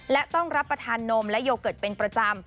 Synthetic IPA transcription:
lɛ˦˥t̪ɔ˥˩ŋɾa˦˥pːɾa˧t̪ʰaː˧nːo˧mlɛ˦˥ʔjoː˧wkɤː˨˩t̪̚pe˧npɾa˧t͡ɕa˧m

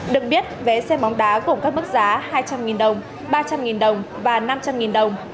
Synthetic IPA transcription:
ɗɨ˨˩ək̚ɓi˦˥ət̚ve˨˩sɛ˧mɔ˨˦wŋ͡mɗaː˨˦ku˧˩kaː˦˥k̚mɨ˦˥k̚zaː˨˦haː˧jt͡ɕa˧mŋi˨˩nɗə˨˩wŋ͡m | ɓaː˧t͡ɕa˧mŋi˨˩nɗə˨˩wŋ͡mvaː˨˩na˧mt͡ɕa˧mŋi˨˩nɗə˨˩wŋ͡m

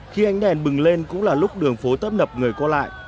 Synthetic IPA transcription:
xi˧ʔa˧jŋ̟ɗɛ˨˩nɓɨ˨˩ŋle˧nkʊ̰˧˥ŋ͡mlaː˨˩lʊ˦˥k͡p̚ɗɨ˨˩əŋfo˨˦t̪əː˦˥p̚nə˨˩p̚ŋɨ˨˩əjkɔ˧la̰ː˧˨jʔ

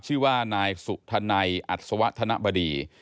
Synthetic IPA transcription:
t͡ɕʰɯː˥˩waː˥˩naː˧jsu˨˩k̚t̪ʰa˧na˧jʔa˨˩t̪̚sa˧wa˦˥ʔt̪ʰa˧na˦˥ʔba˧diː˧

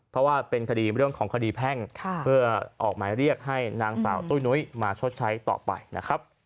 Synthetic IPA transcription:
pʰɾɔ˦˥waː˥˩pe˧nkʰa˧diː˧ɾɯ˥˩əŋkʰɔː˩˦ŋkʰa˧diː˧pʰɛ˥˩ŋkʰpʰɯ˥˩ɐʔɔ̰ː˨˩k̚maː˩˦jɾi˥˩ək̚ɦa˥˩jnaː˦˥ŋsa̰ː˩˦wt̪uː˥˩jnu˧˦˥jmaː˧t͡ɕʰo˦˥t̪̚t͡ɕʰa˦˥jt̪ɔ̰ː˨˩pa̰˧jna̰˦˥kʰɾa˦˥p̚

